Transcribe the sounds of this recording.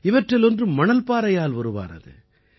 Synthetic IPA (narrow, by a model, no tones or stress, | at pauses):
ɪʋɐʈrɪlɔndrɯmɐnɐlpaːɾɐjaːlʋɐɾɯʋa̰ːnɐ̰ðɯ̰